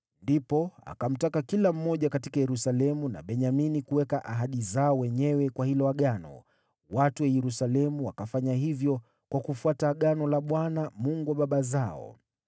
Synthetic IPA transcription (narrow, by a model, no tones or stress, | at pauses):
ndipɔa̰kam̩takakilam̩mɔʄakatikajɛɾusalɛmuna̰ɓɛɲaminikuwɛkaʔaɦaɗizaɔwɛɲɛwɛkwahilɔaɠanɔ̰ | watuwɛjɛɾusalɛmuwakafaɲahivjɔ | kwakufuataɠanɔlaɓwanamuŋɡuwaɓaɓazaɔ̰